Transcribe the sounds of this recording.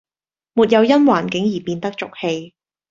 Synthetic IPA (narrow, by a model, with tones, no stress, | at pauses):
muː˨t̚jɐ˨˧wjɐ˥nwaː˨˩nkɪ˨˥ŋjiː˨˩piː˧nt̪ɐ˥k̚t͡sʊ˨k̚he˧j